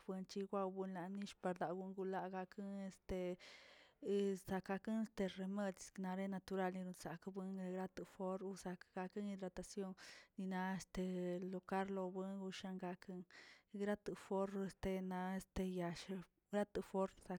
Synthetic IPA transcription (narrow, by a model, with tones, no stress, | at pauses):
bɨ˧nt͡ʃi˧ɡʷa˧wbu˧nla˨ni˦ʃpa˧ɾd̪a˨ɡu˧ŋɡu˧la˧ɡa˧kʰɨ˦ŋe˧st̪e˧ | sa˧ka˧kɨ˦ne˦st̪e˧re˧me˧d̪̥sna˧ɾe˦na˧t̪u˧ɾa˦˧lni˧ɾu˧nsa˨kbɨ˦ŋe˧ɡɾa˦t̪ɨ˧fo˦ɾu˧sa˧kɡ̥a˧kɨ˦ŋi˧d̪ɾa˧t̪a˧sjo˧ŋni˧na˧e˧st̪e˧lo˨ka˦ɾlo˧bɨ˧˦ŋɡu˧ʃa˧ŋɡa˧kʰɨ˦˧ŋɡɾa˦t̪ɨ˧fo˦ɾe˧st̪e˧na˧e˧st̪e˧ja˧ʃ | ɾa˦t̪ɨ˧fo˦ɾsa˧